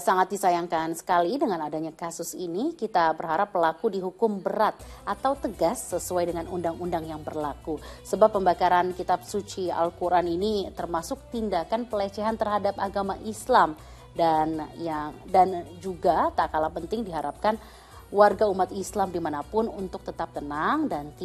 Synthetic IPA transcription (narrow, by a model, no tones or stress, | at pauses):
saŋat̪̚disajaŋkansə̥kalidəŋanadaɲakasʊsinikit̪abərɦaɾapːəlakudiɦukʊmbəɾat̪̚ʔat̪awt̪əɡasːəsuajdəŋanundaŋundaŋjaŋbərlakusəbapːəmbakaɾankit̪ap̚sut͡ʃia̰lkuɾʔaninit̪ərmasʊk̚t̪indakanpəlet͡ʃɛɦant̪ərɦadapaɡamaʔislam | danjaŋdand͡ʒuɡat̪aʔkalapənt̪ɪŋdiɦaɾap̚kan | warɡaumat̪islamdimanapʊnunt̪ʊk̚t̪ət̪ap̚t̪ənaŋdant̪i